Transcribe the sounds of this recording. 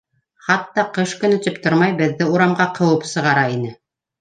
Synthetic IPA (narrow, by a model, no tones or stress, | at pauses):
χɑt̪ːɑqɤʃkɵ̆nɵ̆t̪ɵpt̪oɾmɑjbɘ̆ðːɘuɾɑmʁɑqʰɤ̆wɤpsɤ̆ʁɑɾɑinɘ